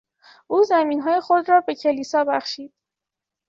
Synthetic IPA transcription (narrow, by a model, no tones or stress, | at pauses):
ʔuːzæmiːnɦɒːje̞xod̪ɾɒːbe̞cʰe̞liːsɒːbæxʃiːd̪̥